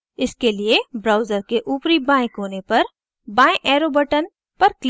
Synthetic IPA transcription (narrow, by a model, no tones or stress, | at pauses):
ɪskeliebɾaːʊzəɾkeʔuːpɾibãːẽkoːnepɐɾ | bãːẽʔɛːɾoːbəʈən | pɐɾkl